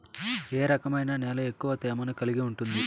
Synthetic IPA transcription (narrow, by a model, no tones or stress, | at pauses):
eːɾɐkɐmɐjnɐnɛːlɐe̞kːuʋɐt̪ɛːmɐnukɐliɡiuɳʈund̪i